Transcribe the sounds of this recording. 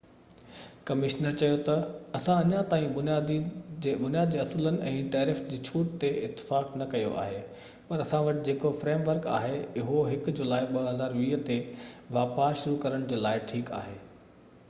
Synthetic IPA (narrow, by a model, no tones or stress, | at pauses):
kɐmɪʃnəɾt͡ɕɐjot̪ɐɐsãɐɲãt̪aːĩbʊnijaːd̪id͡ʑːɓʊnijaːd̪d͡ʑeːɐsʊlənɪ̆ʔɛ̃ːʈaːɾɪfd͡ʑiːt͡ɕʰuːʈ̚t̪eɪt̪ːɪ̥faːknɐkɐjo̰ʔa̰ːɦeː | pɐɾɐsãʋɐʈɪd͡ʑeːkofɾeːmʋəɾka̰ːɦeʊɦoɦɪkd͡ʑʊlaːɪɓɐɦɐzaːɾʋiːɦt̪eʋaːpaːɾʃʊɾukɐɾəɽ̃d͡ʑeːlaːɪʈʰiːka̰ːɦeː